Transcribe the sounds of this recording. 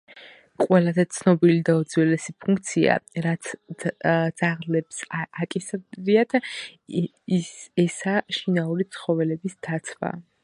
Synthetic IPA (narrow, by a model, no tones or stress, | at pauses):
qʼwɛlazɛt̪sʰnɔbilid̪aɔd̪zwɛlɛsipʰuŋkʰʼt̪sʰia̰ɾat̪sʰ | d̪z̥aʁlɛpsakʼisɾiat̪ʰ | ɛsaʃinauɾit̪sʰχɔvɛlɛbisd̪̥at̪sʰva̰